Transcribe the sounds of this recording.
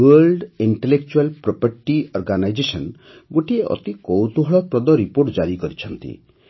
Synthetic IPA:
wəlɖiɳʈelek̚t͡ʃualpɾɔpaɾʈiɔɾɡanajd͡ʒesɔn | ɡoʈieʔɔ̰t̪ikɔwt̪uɦɔɭɔpɾɔd̪ɔɾipoɾʈd͡ʒaɾikɔɾit͡ʃʰɔnt̪ḭ

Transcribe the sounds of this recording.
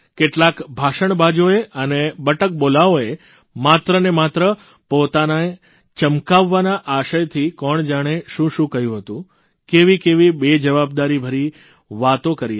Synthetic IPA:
keʈlakbʱaʃəɳbad͡ʒoeʔənebəʈək̚bolaoe | mat̪ɾənemat̪ɾə | pot̪anae | t͡ʃəmkaʋːanaʔaʃəjt̪ʰikɔɳd͡ʒaɽ̃eʃũʃũkəɦjũɦət̪ũ | keʋikeʋibed͡ʒəʋabd̪aɾibʱəɾi | ʋat̪õkəɾi

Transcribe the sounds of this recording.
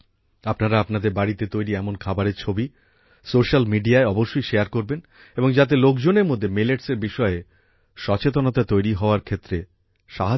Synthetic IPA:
apnaɾaapnad̪eɾbaɽit̪et̪ojɾiɛmonkʰabaɾeɾt͡ɕʰobi | soʃalmiɖiaeɔboʃːojʃeaɾkoɾben | eboŋd͡ʑat̪̬elokd͡ʑoneɾmod̪ʱːemileʈseɾbiʃɔe | ʃɔt͡ɕet̪̬onot̪at̪ojɾiɦɔoaɾkʰet̪ːɾe | ʃaɦa

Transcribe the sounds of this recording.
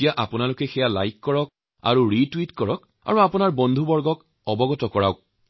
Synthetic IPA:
ijaʔapʊnalʊkɛxɛjala̰jkːɔɹɔk̚ | a̰ɹuɹitwitkɔɹɔk | a̰ɹuapʊnaɹbɔnd̪ʱubɔɹɡɔk | ɔbɔɡɔtɔkɔɹa̰ʊk̚

